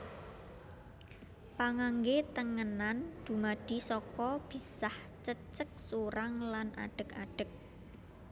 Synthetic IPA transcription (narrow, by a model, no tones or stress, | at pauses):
paŋaŋɡet̪əŋənand̪̥ṳmaɖ̥i̤sɔkɔb̥i̤sah | t͡ʃət͡ʃək̚suɾaŋlana̰ɖ̥ə̤ka̰ɖ̥ə̤k̚